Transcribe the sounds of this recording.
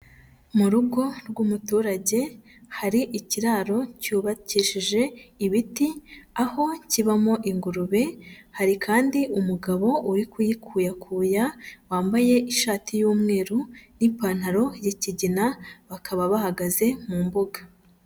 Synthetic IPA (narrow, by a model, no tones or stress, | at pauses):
muɾuɡo̞ɾɡumutuːɾaɟe̞ | haɾiʔiciɾaːɾo̞cuːβaciʃiʒe̞iβitiaho̞ciβamo̞ʔiŋɡuɾuβe̞haɾikʰaːndiʔumuɡaβo̞ʔuɾikujikʰuːjakʰuːjawaːmbaje̞ʔiʃaːtʰijuːmŋe̞ːɾunipaːn̥haɾo̞jeciɟinaβakʰaβaβahaɡaze̞muːmbuɡḁ